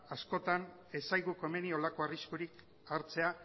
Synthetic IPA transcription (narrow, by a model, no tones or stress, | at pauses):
asko̞t̪an | e̞sajɣuko̞eme̞nio̞lako̞ariskuɾik | aɾt͡se̞a